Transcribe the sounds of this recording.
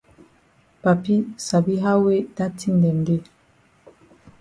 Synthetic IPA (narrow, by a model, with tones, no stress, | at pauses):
pa˨pi˦sa˨bi˦ɦa˦we˦da˦tʰi˦ndɛ˨ŋɡe˦